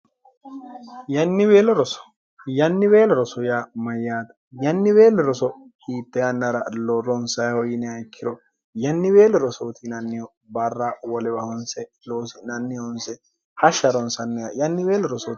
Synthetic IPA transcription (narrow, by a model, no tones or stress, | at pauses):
jɐnːɪbeːlɔɾɔsɔ̥ | jɐnːɪbeːlɔɾɔsɔjamɐjːaːt̪ɐ̥ | jɐnːɪbeːlɔɾɔsɔ | hiːt̪ːɛjɐnːɐɾɐlɔɾɔnsɐjhɔjɪnɛɐjkʰːɪɾɔ | jɐnːɪbeːlɔɾɔsoːt̪ʰinɐnːɪjɔ | bɐrːawɔlɛbɐhɔnsɛ | loːsɪnɐnːɪjɔnsɛ | hɐʃɐɾɔnsɐnːɛjajɐnːɪbeːlɔɾɔsɔ